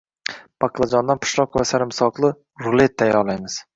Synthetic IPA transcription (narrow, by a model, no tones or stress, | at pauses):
b̥ɑqlˠad͡ʒɒnd̪anpʰʊ̥ʃlˠɒqvasaɾɪmsɒqlˠɨ | ɾʊlˠet̪ʰːajɒlˠajmɪz̥